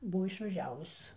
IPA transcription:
ˈbʊ ɪʃʋɐˈʒʲæːʋʊs

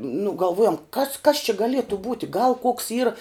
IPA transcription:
nʊ ɡɐlˠˈʋuɔjoːm kɐs kɐs t͡ʃʲɪ ɡɐˈlʲiɛtʊ ˈbuːtʲɪ ɡɐlˠ koːks ˈiːrɐ

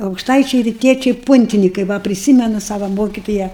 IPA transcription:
ɐʊkʃˈtɐɪt͡ʃʲɛɪ rʲɪˈtʲiɛt͡ʃʲɛɪ ˈpʊnʲtʲɪnʲɪkɐɪ ˈʋɐ pʲrʲɪˈsʲiːmʲɛnʊ ˈsɑːʋɐ ˈmoːkʲɪtoːjɛ

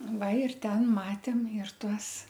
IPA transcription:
ˈʋɐ ɪr ˈtʲɛn ˈmɑːtʲeːm ɪr ˈtuɔs

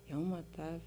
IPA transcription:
ˈjɛʊ mɐˈtɑː

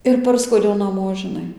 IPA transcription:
ɪr ˈpɐrskuɔdʲɛʊ nɐˈmoː ʒʲɪˈnɐɪ

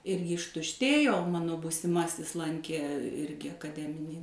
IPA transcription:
ˈɪrʲɡʲɪ ɪʃtʊʃʲˈtʲeːjoː oː ˈmɑːnoː buːsʲɪˈmɑːsʲɪs ˈlˠɐŋʲkʲeː ˈɪrʲɡʲɪ ɐkɐˈdʲæːmʲɪnʲiː

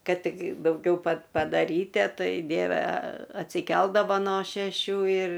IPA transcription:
ˈkɐt ˈtʲɪk dɐʊˈɡʲɛʊ pɐt pɐdɐˈrʲiːtʲiɛ ˈtɐɪ ˈdʲiɛʋʲɛ ɐtʲsʲɪˈkʲɛlˠdɐʋɐ noː ʃʲɛˈʃʲuː ɪr

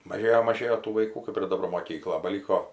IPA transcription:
mɐˈʒʲeːjoː mɐˈʒʲeːjoː tuː ʋɐɪˈkuː kɐp ɪr dɐˈbɐr moːˈkʲiːklˠɐ bɐˈlʲiːkoː

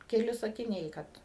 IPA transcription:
kʲɛˈlʲɪ sɐkʲɪˈnʲɛɪ ˈkɐt

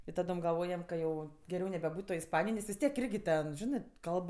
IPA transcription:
ɪ ˈtɑːdoːm ɡɐlˠˈʋoːjɛm kɐ ˈjɛʊ ɡʲɛˈrʲɛʊ nʲɛbʲɛˈbuːtʲ toːj ɪsˈpɑːnʲɪjoːj nʲɛs ʋʲɪs ˈtʲiɛk ˈɪrʲɡʲɪ tʲɛn ˈʒʲɪnɜ ˈkɐlˠp

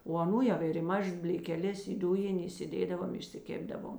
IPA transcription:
oː ɐˈnuː ˈjɛʊ ɪr ɪ ˈmɑːʒɐs bʲlʲeːkʲɛˈlʲɛs ɪ ˈdʊjɪnʲ iːsʲɪˈdʲeːdɐʋoːm ɪʃʲsʲɪˈkʲeːbdɐʋoːm

